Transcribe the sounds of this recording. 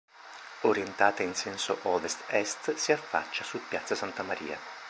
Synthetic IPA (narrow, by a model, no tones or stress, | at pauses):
oɾjent̪aːt̪ainsɛnsoʔɔːvest̪ɛst̪siafːa̰t͡ʃːasupːjat̪sːasant̪amaɾḭːa̰